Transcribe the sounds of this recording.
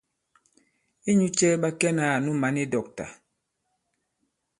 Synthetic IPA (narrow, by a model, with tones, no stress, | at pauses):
i˦ɲu˦t͡ʃɛ˦ɓa˦kɛ˦naː˨nu˦ma˨˦ni˦dɔ˨k̚ta̰˨